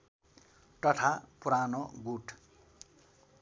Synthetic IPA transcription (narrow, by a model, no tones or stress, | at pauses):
ʈʌʈʰapuɾanoɡuʈʰ